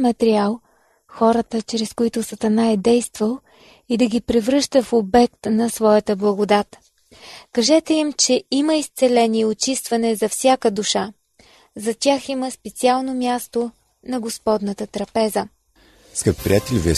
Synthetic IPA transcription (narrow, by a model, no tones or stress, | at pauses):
mɐt̪ɛɾialˠ | xɔɾət̪ət͡ʃɾɛskoit̪ʊsɐt̪ɐnaɛd̪ɛjst̪vəlˠ | id̪ɐɡʲipɾɛvɾɤʃt̪əfobɛk̚t̪nɐsvɔjət̪əblˠɐɡod̪at̪ | kɐʒɛt̪ɛimt͡ʃɛiməist̪sɛlɛniot͡ʃist̪vɐnɛzɐfsʲjakəd̪uʃa | zɐt̪ʲaximəspɛt̪sialˠnomʲjast̪o | nɐɡospɔd̪nət̪ət̪ɾɐpɛzə | skat̪pɾʲijat̪ɛlʲviɛ